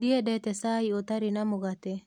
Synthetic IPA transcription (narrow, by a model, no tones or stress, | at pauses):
iɛdɛt̪ɛsaiɔt̪aɾinamɔɡat̪ɛ